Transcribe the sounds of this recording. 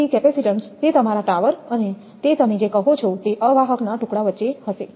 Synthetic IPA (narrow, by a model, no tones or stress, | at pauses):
ikɛpɛsiʈəɳʈst̪et̪əmaɾaʈaʋəɾəne | t̪et̪əmed͡ʒekəɦot͡ʃʰot̪eʔəʋaɦəknaʈʊkɽaʋətːʃehəʃe